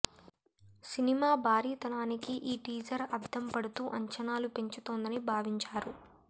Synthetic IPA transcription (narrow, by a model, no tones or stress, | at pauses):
sinimaːbʱaːɾiːt̪ɐnaːnikiʔiːʈiːd͡ʒɐɾɐd̪ʱɐmpɐɽut̪uːʔɐɲt͡ʃɐnaːlupe̞ɲt͡ʃut̪oːnd̪ɐnibʱaːʋiɲt͡ʃaːɾu